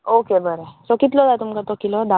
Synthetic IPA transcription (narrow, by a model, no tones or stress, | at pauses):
okebəɾesɔkit̪lɔd̪ajt̪umkat̪ɔkilɔd̪a